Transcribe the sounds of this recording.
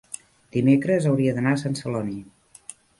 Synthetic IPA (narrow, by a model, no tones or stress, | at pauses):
d̪̥imekɾəzəwɾiəðənasansəlɔniə